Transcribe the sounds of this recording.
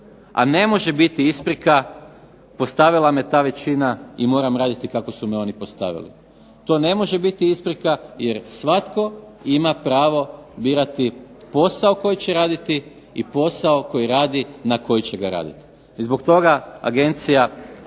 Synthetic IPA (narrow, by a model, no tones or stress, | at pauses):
a̰ne̞mo̞ʒe̞bit̪iispɾika | po̞st̪aʋilˠamet̪aːʋe̞t͡ɕinaimo̞ːɾamɾaːd̪it̪ikako̞sumeo̞nipost̪a̰ʋḭlḭ | t̪o̞ːne̞mo̞ʒebit̪iispɾikaje̞ɾsʋat̪ko̞imapɾaːʋo̞biːɾat̪ipo̞sao̞ko̞jit͡ɕeɾaːd̪it̪i | ipo̞saoko̞jiɾaːd̪inako̞jit͡ɕeɡaɾa̰ːd̪ḭt̪i̥ | zbokt̪o̞ɡaa̰ɡe̞nt̪sija